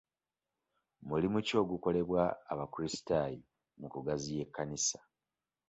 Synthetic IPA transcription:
mulimuco̞ːɡuko̞le̞βwaːβakuɾisi̥taji | mukuɡazije̞kːanisḁ

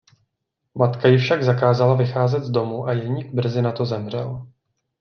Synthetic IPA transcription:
mat̪kajɪfʃaɡzakaːzalavɪxaːzɛt̪zdo̞muʔajɛɲikbr̩zɪnat̪o̞zɛmr̝ɛ̰l

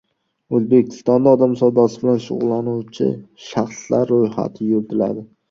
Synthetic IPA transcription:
ɵzbekʲʰɪ̥st̪ɒnd̪aɒd̪amsɒwd̪ɒsɪbɪlanʃʊ̰ʁʊlˠːanuwt͡ʃʰɪ̰ʃaχslaɾːojha̰t̪ʰɪjolt̪ʰɪla̰d̪ɪ

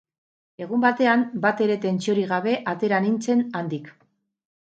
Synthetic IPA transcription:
e̞ɣ̞umbat̪e̞ambat̪e̞ɾe̞t̪e̞nt͡sio̞ɾiɣaβe̞ʔat̪e̞ɾanint͡se̞nand̪ik

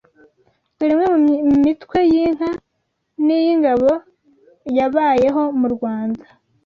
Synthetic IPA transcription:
zuɾimŋwemumitkwe̞jiŋ̥a | nijiŋɡaβo̞ | jaβaːje̞ɦo̞muɾɡwaːnda

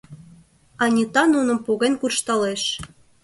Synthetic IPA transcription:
ɑnʲit̪ɑnunə̆mpoɣenkurʃt̪ɑleʃ

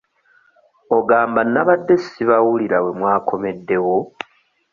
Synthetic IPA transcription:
o̞ɡaːmbanːaβadːe̞siβawuliɾawe̞mwaːkʰo̞me̞dːe̞wo̞

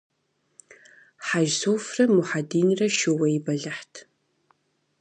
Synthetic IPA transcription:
ħaʒsoːfrɐmʊħadiːnrɐʃɨwɐjɪbɐɮɐħtʰ

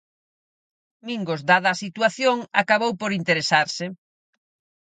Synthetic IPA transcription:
miŋɡʊzd̪aðaːsit̪uaθjoŋa̰kaβowpoɾint̪eɾesaɾsɪ

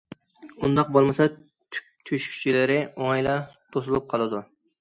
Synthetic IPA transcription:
und̪ɑq̚bolˠmɨsɑ | t̪ʰʲ | t̪ʰyʃkʲʰy̥t͡ʃʰilɪɾɪoŋjlˠɑt̪ʰosɨlˠup̚qʰɑlˠɨd̪u

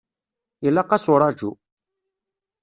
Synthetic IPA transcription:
ilaqːasuɾad͡ʒṵ

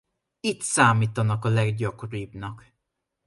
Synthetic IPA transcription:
it̪saːmiːt̪ɒnɒkɒlɛɡɟɒkoɾiːbnɒk

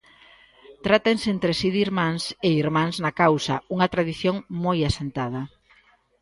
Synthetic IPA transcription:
t̪ɾat̪enseent̪ɾesiðiɾmãŋseiɾmãŋznɐkawsɐ̰uŋɐt̪ɾaðiθjoŋmojasent̪að̞ɐ

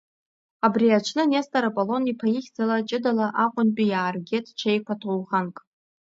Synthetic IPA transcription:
abriat͡ʃʷʰnɨnestʼaɾapʼolo̞nipʰajiχʲd͡zalat͡ʃʼɪdalaʔaqʷʼʊnpʼijaːrɡʲetʰʼt͡ʃʷʰejkʷatʰowχankʼ

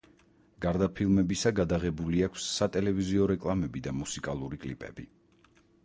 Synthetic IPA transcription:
ɡ̥aɾd̪apʰilˠmɛbisaɡad̪aʁɛbuliakʰsːat̪ʼɛlɛviziɔɾɛkʼlˠamɛbid̪amusikʼalˠuɾikʼlipʼɛ̰bḭ

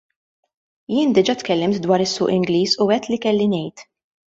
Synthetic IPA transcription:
jɪːnd̪ɪd͡ʒɐt̪kɛlːɪmt̪d̪wɐːɾɪsːʊːʔɪŋɡliːsʊɛt̪ːlikɛlːinɛjt̪

